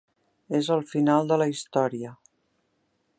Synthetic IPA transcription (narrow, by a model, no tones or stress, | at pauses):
ezəlˠfinalˠd̪ələist̪ɔɾiə